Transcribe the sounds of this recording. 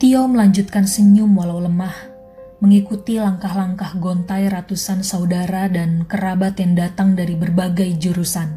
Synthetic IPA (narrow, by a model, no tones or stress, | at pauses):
t̪iowməlaɲd͡ʒut̪̚kansəɲʊmwalawləmah | məŋikut̪ilaŋkahlaŋkahɡont̪ajrat̪usansaudaɾadankəɾabat̪jaŋdat̪aŋdaɾibərbaɡajd͡ʒuɾusan